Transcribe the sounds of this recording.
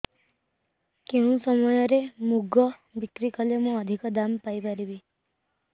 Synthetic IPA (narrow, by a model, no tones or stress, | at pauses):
keũsɔmɔjɔɾemuɡɔbikɾikɔlemũɔd̪ʱikɔd̪ampajbaɾibi